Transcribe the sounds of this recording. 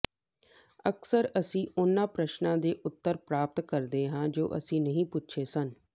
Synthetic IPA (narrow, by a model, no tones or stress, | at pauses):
əksəɾəsĩːʔʊnːãːpɾəʃnãːd̪eːʔʊt̪ːəɾpɾaːp̚t̪kəɾd̪eːɦãːd͡ʒoːʔə̰sĩːnəɦĩːpʊtːʃʰeːsən